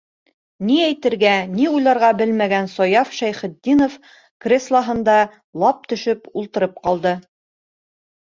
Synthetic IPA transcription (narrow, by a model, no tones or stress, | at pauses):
niæjt̪ɘ̆ɾɡæniujlˠɑɾʁɑbɘlmæɡænsɒjɑfʃæjχɘ̆d̪ːinof | krʲeslˠɑɦɤ̆nd̪ɑ | lˠɑp̚t̪ɵ̆ʃɵpulˠt̪ɤ̆ɾɤp̚qɑlˠd̪ɤ